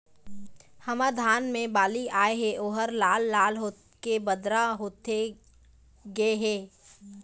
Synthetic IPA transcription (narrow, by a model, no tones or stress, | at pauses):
hɐmad̪ʱaːnmẽbaːliaːeɦɛʔoːɦəɾlaːlːaːlɦoː | kebəd̪ɾaɦoːt̪e | ɡəeɦɛː